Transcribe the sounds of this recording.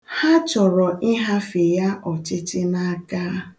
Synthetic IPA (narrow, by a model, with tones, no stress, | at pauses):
ha˦t͡ʃɔ˨ɾɔ˨ʔi˦ɦa˦fe˨ja˦ʔɔ˨t͡ʃɪ˦tɪ˦na˦a˦kaː˦